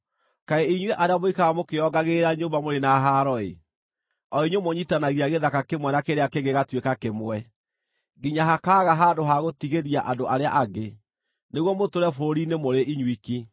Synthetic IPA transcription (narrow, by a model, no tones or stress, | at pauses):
kaeiɲweʔaɾeamoikaamokeɔɡaɣeɾaɲoːmbamoɾenaɦaɾɔḛ | ɔiɲomoɲitanaɣiaɣeðakakemwɛnakeɾeakeɣɡeɣatwekakemwɛ | ɡiɲaɦakaːɣaɦaːndoɦaɣotiɣeɾiaʔadoʔaɾeaʔaɡe | neɣwɔmotoɾɛfoɾoɾinemoɾeʔiɲwiki